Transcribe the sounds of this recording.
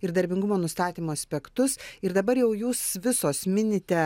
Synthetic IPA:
ɪɾd̪ɐɾʲbʲɪŋɡʊmoːnʊst̪ɑːt̪ʲiːmoːɐsʲpʲɛkt̪ʊsɪɾd̪ɐbɐɾjɛʊjuːsʋʲɪsoːsmʲɪnʲɪt̪ʲɛ

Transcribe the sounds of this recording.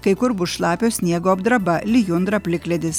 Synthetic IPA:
kɐɪkʊɾbʊsʃlˠɑːpʲoːsʲnʲiɛɡoːɐbd̪ɾɐbɐlʲɪjʊnd̪ɾɐpʲlʲɪklʲɛd̪ʲɪs

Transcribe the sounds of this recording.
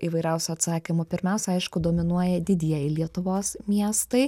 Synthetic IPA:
iːʋɐɪɾʲɛʊsʲʊɐt̪sɑːkʲɪmʊpʲɪɾʲmʲɛˑʊsʲɛɐɪʃkʊd̪oːmʲɪnuɔjɛd̪ʲɪd̪ʲiɛjɪlʲiɛt̪ʊʋoːsmʲiɛst̪ɐɪ

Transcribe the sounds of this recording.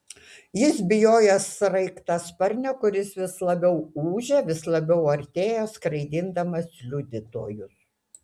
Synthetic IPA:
jɪs̬bʲɪjoːjɛsɾɐɪkt̪ɐspɐɾʲnʲɛkʊɾʲɪsʋʲɪslˠɐbʲɛʊuːʒʲɛʋʲɪslˠɐbʲɛʊɐɾʲt̪ʲeːjoːskɾɐɪd̪ʲɪnd̪ɐmɐslʲʊd̪ʲɪt̪o̰ːjʊs

